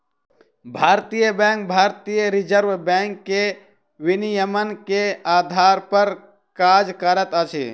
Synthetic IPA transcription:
bʱaːɾt̪ijəbɛ̃ːŋk̚bʱaːɾt̪ijəɾɪd͡ʒəɾʋbɛ̃ːŋkːe | ʋɪnijəmənkeaːd̪ʱaːɾpəɾ | kaːd͡ʒkəɾət̪ət͡ʃʰḭ

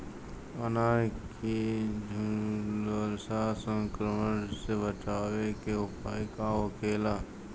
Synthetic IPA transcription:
ənakidʱləlsasə̃ŋkɾəmənsebət͡ʃaːʋekeʊpaːikaokʰeːla

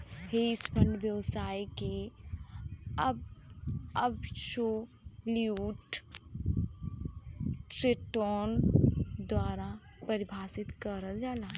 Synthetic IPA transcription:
heɪspʰə̃ɳɖʋjəʋsaːike | əb | əbʃo | liuːʈ | ɾeʈoːnd̪waːɾa | pəɾɪbʱaːsɪt̪kəɾəld͡ʒaːlaː

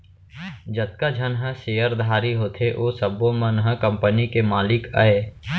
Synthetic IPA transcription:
d͡ʒət̪̚kad͡ʒʱɐnɦə̃seːjəɾd̪ʱaːɾiɦoːt̪ʰeʔoːsəbõmənɦə̃kɐ̃mpənikemaːlɪka̰eː

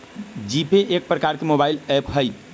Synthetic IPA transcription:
d͡ʒipeʔek̚pɾəkaɾkemobailepɦəjt̪

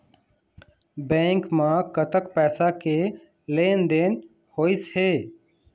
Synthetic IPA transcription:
bɛ̃ːŋkmãːkət̪əkpɛːsake | leːnd̪eːn | hoːɪsheː

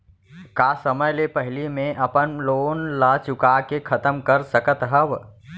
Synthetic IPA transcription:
kasəməjlepəɦlimẽʔəpənloːnlat͡ʃʊkakekʰət̪əmkəɾsəkət̪ɦəb

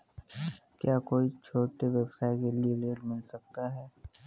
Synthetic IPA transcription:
kjaːkoːit͡ʃʰoːʈeʋɛbsaːɪkelieɖeːɾmɪlsɐk̚t̪aɦɛː

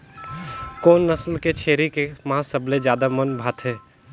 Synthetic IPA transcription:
koːnːɐslket͡ʃʰeːɾikemɐɦãsɐbled͡ʒjaːd̪amɐnbʱaːt̪ɦɛː

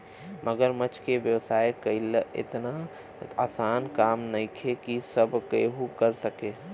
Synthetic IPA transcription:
məɡəɾmət͡ʃkeʋjəʋsaːekəilɪ̰t̪na | aːsaːnkaːmnɐikʰekisəbkeɦukəɾsəkeː

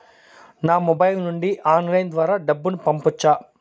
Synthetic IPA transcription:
naːmɔbɐjlnuɳɖiʔaːnlɐjnd̪ʋaːɾaːɖɐbːunupɐmput͡ʃːaː

